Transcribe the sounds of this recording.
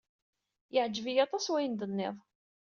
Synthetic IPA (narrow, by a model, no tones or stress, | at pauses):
jəʕd͡ʒːvijɑt̪ˤɑswæjənd̪ənːɪ̰ðˤ